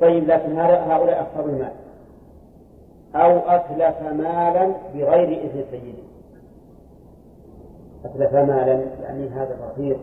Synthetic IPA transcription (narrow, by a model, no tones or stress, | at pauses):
t̪ˤːɑjːɪblaːkɪnɦaːðaɦaːʔʊlaːʔɑxt̪ɑɾˤɪlma̰ːl | ʔawʔatlafamaːlanbɪɣajɾɪʔɪθmsajːɪd̪i | ʔatlafamaːlanja̰ʕniɦaːðafɑsiːɾ